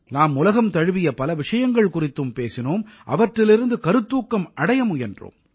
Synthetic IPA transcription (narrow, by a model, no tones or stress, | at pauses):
naːmʊlɐɣɐmt̪ɐɻɯʋɪjɐpɐlɐʋɪʂɐjɐŋɡɐɭkʊrɪt̪ːɯmpeːsɪnoːmʔɐ̰ʋɐʈrɪlɪɾɯnd̪ɯkɐɾɯt̪ːuːkːɐmɐɽɐjɐmʊjɐndro̰ːm